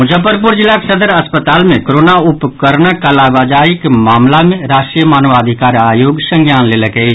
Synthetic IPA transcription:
mʊd͡ʒəpəɾp̬ʊɾd͡ʒɪlːaksəd̪əɾɐspət̪aːlmẽkoɾoːnaʊpkəɾnəkəlaːʋaːd͡ʒaːɪkmaːmlamẽɾaːʃʈɾijəmaːnʋaːd̪ʱɪkaːɾaːjoːɡsə̃ŋɡjaːnleːləkee

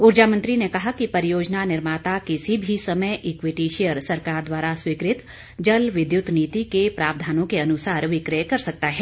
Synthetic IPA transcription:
ʊɾd͡ʒamɐ̃nt̪ɾinekɐɦakipɐɾijoːd͡ʒnanɪɾmaːt̪akɪsibʱisɐməjʔɪkwɪʈiʃejəɾsɐɾkaːɾd̪waːɾaswiːkɾɪt̪ | d͡ʒɐlʋɪd̪jʊt̪niːt̪ikepɾaːb̚d̪ʱaːnõkeɐnʊsaːɾʋɪkɾəjkɐɾsɐk̚t̪aɦɛː

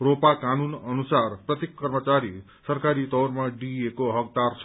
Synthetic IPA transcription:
ropakanunʌnusarprʌt̪jekːʌrmʌt͡saɾi | sʌrkaɾit̪ʌwrmaɖiekoɦʌk̚d̪art͡sʰʌ

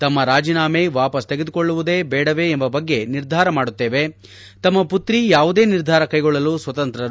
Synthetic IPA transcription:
t̪ɐmːɐɾaːd͡ʒiːnaːmeʋaːpɐst̪eɡe̞d̪ukoɭːuʋud̪e̞ːbɛːɽɐʋe̞ːmbɐbɐɡːe̞niɾd̪ʱaːɾɐmaːɽut̪ːe̞ːʋe | t̪ɐmːɐput̪ɾijaːʋud̪e̞ːniɾd̪ʱaːɾɐkɐjɡɔɭːɐluːsʋɐt̪ɐnt̪ɾɐɾ

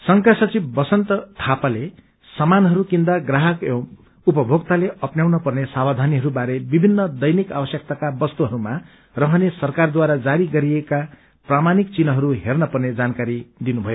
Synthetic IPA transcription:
sʌŋkasʌt͡sibbʌsʌnt̪ʌt̪ʰapale | sʌmanɦʌɾukind̪aɡraɦʌko | upʌbʱoɡt̪aleʌpnjawnʌpʌrnesabad̪ʱaniɦʌɾubaɾebibʱinːʌd̪ʌjnika̰wʌsjʌk̚t̪akabʌst̪uɦʌɾuma | rʌɦʌnesʌrkard̪waɾad͡zaɾiɡʌɾieka | pramanik̚t͡sinʌɦʌɾuɦernʌpʌrned͡zankaɾid̪inubʱʌjo

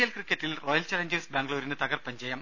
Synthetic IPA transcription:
jɐlkrikːɐtːilroːjɐlt͡ɕɐlɐɲd͡ʑesbaːŋɡɭoːɾinɨt̪ɐɣɐrpɐɲd͡ʑɐjɐm

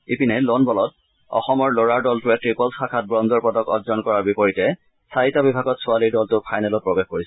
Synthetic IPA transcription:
ipinɛlonbɔlɔt | ɔ̰xɔmɔɹloɹaɹdɔltʊɛtɹipɔlsakʰat̚bɹɔndʱɔɹpɔdɔkɔ̰dzɔnkɔɹaɹbipɔɹitɛ | saitabibʱaɡɔtsʊaliɹdɔltʊpʰajnɛlɔt̚pɹɔbexkoɹisɛ

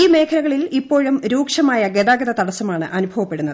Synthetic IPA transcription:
iːme̞ːkʰɐlɐɣɐɭilipːo̞ːɻumɾuːkʂɐmaːjɐɡe̞ðaːɡɐðɐt̪ɐɽɐsːɐmaːɳɨʔɐnubʱɐʋɐpːe̞ɽunːɐðɨ

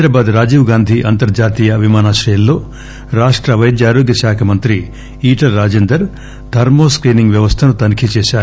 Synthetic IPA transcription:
ɾabaːd̪ɾaːd͡ʒiːʋɡaːnd̪ʱiʔɐnt̪ɐɾd͡ʒaːt̪iːjɐʋimaːnaːʃɾɐjɐlːo̞ː | ɾaːʂʈɾɐʋɐjd̪jaːɾoːɡjɐʃaːkʰɐmɐnt̪ɾi | iːʈɐlːaːd͡ʒeːnd̪ɐɾ | d̪ʱɐɾmoːskɾiːniŋɡʋjɐʋɐst̪ʰɐnut̪ɐnkʰit͡ʃeːʃaːɾu

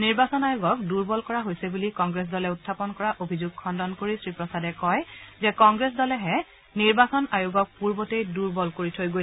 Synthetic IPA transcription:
niɹbasɔnajuɡɔk̚duɹbɔlkɔɹaɦojsɛbulikɔŋɡɹes̬dɔlɛʊtʰːapɔnkɔɹaʔobʱizuɡ̚kʰɔndɔnkoɹisɹipɹɔsadɛkɔjzɛkɔŋɡɹes̬dɔlɛɦɛ | niɹbasɔnajuɡɔk̚puɹbɔtejduɹbɔlkoɹitʰojɡo

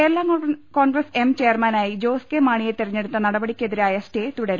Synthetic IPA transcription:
elːaːŋːɐɭɐkoːɳɡrɐse̞mt͡ɕe̞ːrmɐnaːjid͡ʑo̞ːskemaːɳijet̪irɐɲːe̞ɽut̪ːɐnɐɽɐbɐɽikʲːeðiɾaːjɐsʈeːt̪uɽɐɾu

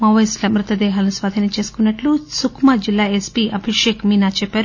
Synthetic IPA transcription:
mɐʋɐjslɐmɾut̪ɐd̪ɛːɦaːlɐusʋaːd̪ʱinɐt͡ʃe̞ːsu̥kunːɐʈlusukʰmad͡ʒilːaːespiʔɐbʱiʂeːkmiːnaːt͡ʃɛpːaːɾu

